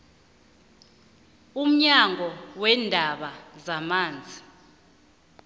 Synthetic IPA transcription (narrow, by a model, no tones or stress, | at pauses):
um̩ɲaŋʱɔwɛndʱaɓazamaːnd͡zʱi